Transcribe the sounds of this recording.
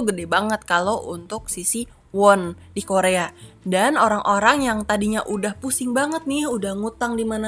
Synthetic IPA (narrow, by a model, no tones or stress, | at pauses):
ɡədɛbaŋət̪̚kaloʔunt̪ʊk̚sisi | wɔn | dikoɾeadanoɾaŋʔoɾaŋjaŋt̪adiɲaʔudahpusɪŋbaŋət̪̚nɪhudahŋut̪aŋdimana